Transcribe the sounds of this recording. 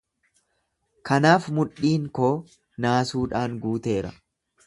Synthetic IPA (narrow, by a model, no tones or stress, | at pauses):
kɐnaːfmʊᶑiːŋkoː | naːsuːᶑaːŋɡuːt̪e̞ːɾɐ̰